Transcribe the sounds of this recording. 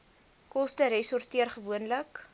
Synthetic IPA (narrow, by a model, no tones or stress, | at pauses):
kɔstəɾɛsɔrtiərχəvuənlək